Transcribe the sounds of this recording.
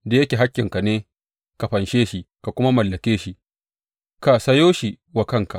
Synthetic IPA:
da˨jɐ˦kʲeː˨ɦa˦kʲːɪ˨ŋka˨neː˦ | ka˨ɸɐ˨nʃeː˦ʃi˦ka˨kʷʊ˦ma˦mɐ˨lːɐ˨kʲeː˦ʃi˦ | ka˨sɐ˦joː˦ʃi˨ | wa˨kɐ˦˨ŋka˨

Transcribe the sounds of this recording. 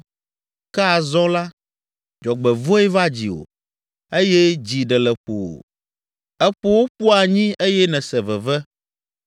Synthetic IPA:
ka˦a˨zɔ̃˦la˦ | d͡ʒɔ˨ɡ͡bɛ˨vo˦ɛ˦va˦d͡ʑi˨o̰˨ | e˦jɛ˦d͡ʑi˨ɖɛ˨lɛ˨ɸo̰˨wo̰˨ | ɛ˦ɸo˦wo˦ɸu˦a˨ɲĩ˦ʔe˦jɛ˦nɛ̃˨sɛ˨vɛ˨vɛ˦

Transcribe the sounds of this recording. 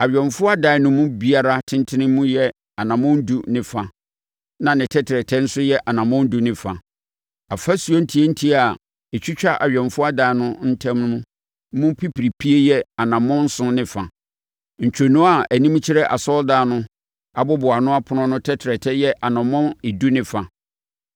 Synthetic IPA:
a˨ɥᶣɛ̃˨nfʊ˦a˦da˨ɛ˨nʊ̃˦mʊ̃˦bi˦a˦ɾa˦tʰɪ̃˦ntʰɪ˦nɪ̃˦mũ˦jɛ˦ | a˨nã˨mɔ̃˦n̩˦du˦nɪ̃˦fa˨ | nã˨nɪ̃˨tʰɛ˦tʰɾɛ˨tʰɛ˦n̩˦sʊ˦jɛ˦ʔa˨nã˨mɔ̃˦n̩˦du˨nɪ̃˨fa˨ | a˨fa˦su˨o˦n̩˦tʰi˨˦e˦n̩˦tʰi˦a˨ | e˨t͡ɕʰᶣi˦t͡ɕᶣa˦ʔa˨ɥᶣɛ̃˨nfʊ˦a˦da˨ɛ˨nʊ̃˦n̩˦tʰã˦mn˦ũ˦ | mũ˦pʰi˦pi˨ɾi˨pʰi˦e˦jɛ˦a˨nã˨mɔ̃˦n̩˦sʊ̃˦nɪ̃˨fa˨ | ɲ̩˨t͡ɕᶣo˨nũ˦a˨æ˨nĩ˦m˦t͡ɕʰɪ˦ɾɛ˦ʔa̰˨sɔ˦ldaː˨˦˨nʊ̃˦ | a˨bʊ˦bʊ˨a˨nʊ̃˦a˦pʰʊ˨˦ɔ̃˦nʊ̃˦tʰɛ˦tʰɪ˨ɾɛ˨tʰɛ˦jɛ˦ʔa˨nã˨mɔ̃˦ne˨du˦nɪ̃˦fa˨

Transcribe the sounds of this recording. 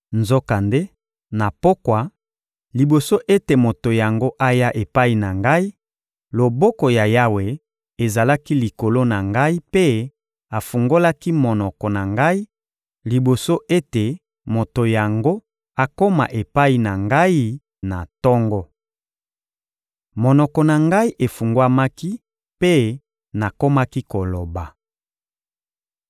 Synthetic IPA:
nzo˦ka˨nde˦ | na˨po˦kwa˨ | li˨bo˨so˦ʔe˦te˨mo˨to˨ja˨ŋɡo˦ʔa˦ja˦ʔe˨pa˦i˨na˨ŋɡa˦i˦ | lo˨bɔ˦kɔ˨ja˨ja˦we˨ | e˨za˨la˦ki˦li˨ko˨lo˦na˨ŋɡa˦i˦pe˦ | a˨fu˨ŋɡo˦la˦ki˦mɔ˨nɔ˨kɔ˨na˨ŋɡa˦i˦ | li˨bo˨so˦ʔe˦te˨ | mo˨to˨ja˨ŋɡo˦ | a˨ko˦ma̰˨ʔe˨pa˦i˦na˨ŋɡa˦i˦ | na˨tɔ˦ŋɡɔ˦ | mo˨nɔ˨kɔ˨na˨ŋɡa˦i˦ʔe˨fu˨ŋɡwa˦ma˦ki˦ | pe˦ | na˨ko˦ma˦ki˦ko˨lo˨ba˨

